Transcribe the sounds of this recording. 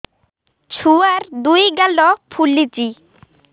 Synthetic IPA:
t͡ɕʰuaɾd̪ujɡalːɔpʰulːit͡ɕi

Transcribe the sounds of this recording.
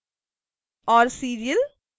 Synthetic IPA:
ɔːɾsiːɾijəl

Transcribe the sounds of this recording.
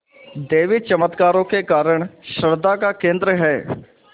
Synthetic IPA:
d̪eːʋɪt͡ʃəmət̪kaːɾõːkekaːɾəɳ̃ʃəɾd̪aːkaːkẽːnd̪ɾəɦɛː

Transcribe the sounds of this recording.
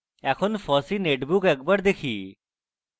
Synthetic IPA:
ɛːkʰonpʰɔːsiːneːʈbʊkek̚bəɾd̪eːkʰiː

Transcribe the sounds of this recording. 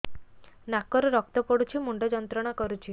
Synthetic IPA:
nakɔɾɔɾɔk̚t̪ɔpɔɽut͡ʃʰimuɳɖɔd͡ʒɔnt̪ɾɔɽ̃akɔɾut͡ʃʰi

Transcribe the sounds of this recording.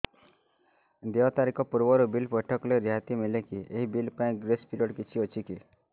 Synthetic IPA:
d̪eɔt̪aɾikɔpuɾʋɔɾubilpɔʈʰɔkleɾjɦat̪imilekiʔeɦibilpaĩɡɾespiɾioɽkit͡ʃʰiɔt͡ʃʰiki

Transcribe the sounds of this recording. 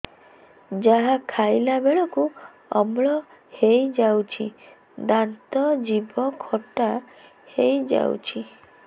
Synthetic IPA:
d͡ʒaɦakʰajlabeɭɔku | ɔmɭɔ | hejd͡ʒawt͡ʃʰi | d̪ant̪ɔd͡ʒibɔkʰɔʈa | hejd͡ʒa̰wt͡ʃʰi

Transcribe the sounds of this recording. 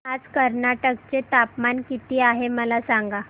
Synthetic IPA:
ad͡zkəɾnaʈəkt͡set̪apmankit̪iːaɦeməlasaŋɡa

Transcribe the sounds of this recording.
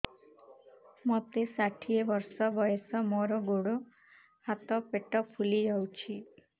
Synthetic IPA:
mɔt̪esaʈʰiebɔɾsɔbɔjesɔmɔɾɔɡoɽo | hat̪ɔpeʈɔpʰulid͡ʒawt͡ʃʰi

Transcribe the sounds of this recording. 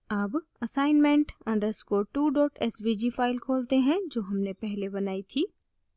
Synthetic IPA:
aːbɐsaːɪnmɛ̃ɳʈɐ̃ɖəskoːʈuːɖɔːʈɛsʋid͡ʒifaːɪlkʰoːlt̪eɦɛ̃d͡ʒoːɦɐmnepɛɦlebɐnaːit̪ʰiː

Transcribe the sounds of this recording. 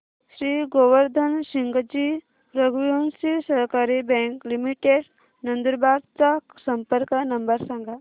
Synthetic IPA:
ʃɾiːɡoʋəɾd̪ʱənʃiŋɡəd͡ʒi | ɾəɡʋijonsisəɾkaɾibɛ̃ŋklimiʈeɖ | nə̃nd̪əɾbaːɾ̚t͡sasə̃mpəɾkənɐmbəɾsãŋɡa

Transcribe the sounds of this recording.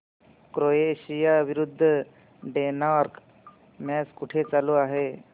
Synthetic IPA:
kɾoeɕijaʋiɾud̪ʱːə | ɖenaɾk | mɛskuʈʰet͡saluaɦe

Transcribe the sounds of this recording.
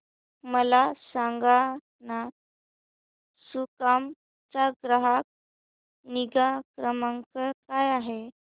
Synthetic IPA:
məlasãŋɡa | na | sukam | t͡saɡɾəɦak̚ | niɡakɾəmãŋkəɾkajaɦe

